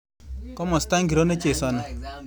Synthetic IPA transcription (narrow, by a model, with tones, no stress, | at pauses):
kɔ˦mɔ˨sta˦ŋɡi˨ɾo˦ne˦t͡ʃe˨sɔ˨na˨